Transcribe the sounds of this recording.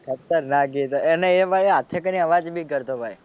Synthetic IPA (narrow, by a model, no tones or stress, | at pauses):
kʰət̪ːəɾnaɡit̪oeneeʋaɭeat̪ʰekəniəʋad͡ʒbʱikəɾt̪obʱaj